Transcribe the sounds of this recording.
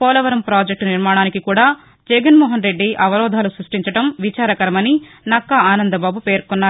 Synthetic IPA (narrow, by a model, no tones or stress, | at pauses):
pɔːlɐʋɐɾɐmpɾaːd͡ʒek̚ʈniɾmaːɽaːnikikuːɽaː | d͡ʒɛɡɐnmɔːɦɐnɾe̞ɖːiʔɐʋɐɾɔːd̪ʱaːlusɾuʂʈiɲt͡ʃɐʈɐmʋit͡ʃaːɾɐkɐɾɐmɐni | nɐkːɐaːnɐnd̪ɐbaːbupeːɾkunːaː